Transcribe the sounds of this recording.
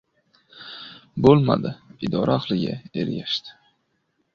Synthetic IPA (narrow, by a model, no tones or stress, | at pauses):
bolˠma̰d̪ɪɪd̪ɒɾʔaːχlˠɪɡʲa̰e̞ɾɡʲaʃt̪ʰɪ̥